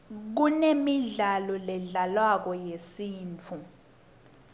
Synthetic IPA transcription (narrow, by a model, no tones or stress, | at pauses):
k̬unemiɮalɔlɛɮalwak̬ɔjesiːnt͡fʰu